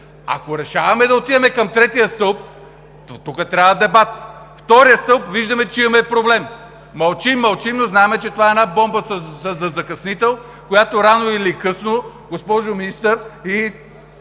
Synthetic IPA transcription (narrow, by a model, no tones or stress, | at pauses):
ɐ̰koɾɛʃavɐmɛd̪ɐot̪id̪ɛmɛkɐmt̪ɾɛt̪ijəst̪ɤlˠp̪̚ | t̪ukət̪ɾʲavɐd̪ɛbat̪ft̪ɔɾijəst̪ɤlˠpviʒd̪ɐmɛt͡ʃimmɛpɾoblɛmː | ɐlˠt͡ʃimːɐlˠt͡ʃimnoznaɛmɛt͡ʃɛt̪ovaɛnabɔmbəsɐɐzɐzɐkɐsnit̪ɛlˠ | kojat̪oɾanoilikɤsno | ɡospɔʒominist̪əɾi